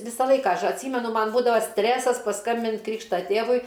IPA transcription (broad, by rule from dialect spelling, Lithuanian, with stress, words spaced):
ˈʋʲɪsɑː ˈlˠɐɪkɑː ˈɐʃ ɐtʲˈsʲiːmʲɛnʊ ˈmɐn ˈbuːdɐʋɐ ˈsʲtʲrʲæːsɐs pɐˈskɐmʲbʲɪnʲtʲ ˈkrʲiːkʃtɐ ˈtʲeːʋʊɪ